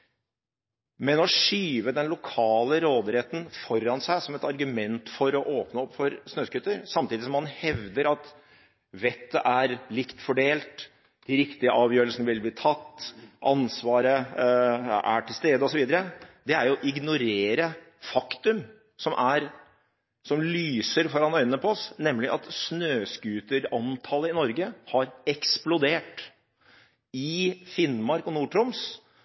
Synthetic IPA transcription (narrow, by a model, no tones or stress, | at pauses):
mɛnɔʂyːʋəd̪ɛnlʊkʰɑːləɾoːd̪ɾɛt̪ən̩fɔɾːɑnsæɪsɔmɛt̪ɑɾɡʉmɛnt̪fɔɾɔʔoːpnəɔpːfɔɾsnøːskʉt̪ːəɾsɑmt̪iːd̪ɪsɔmːɑnhɛʋd̪əɾɑt̪ | ʋɛt̪ːəʔæɾlɪkt̪fɔɖeːlt̪ | d̪̥ɪɾɪkt̪ɪəʔɑːʋjøːɾəlsənəʋɪlbliːt̪ʰɑt̪ːʔɑnsʋɑːɾə | æ̰ʈʰɪlst̪eːd̪əɔsɔʋiːd̪əɾəd̪ɛæɾjʊʔɪɡnʊɾeːɾə | fɑkt̪ʉm | sɔmʔæɾ | sɔmlyːsəɾfɔɾɑnœʏnnəpʰɔɔsnɛmːlɪʔɑt̪snøːskʉːt̪əɾɑnt̪ʰɑləɪnɔɾɡəhɑɾɛksplʊd̪eːʈ | ɪfɪnmɑɾkɔnuːʈʰɾʊms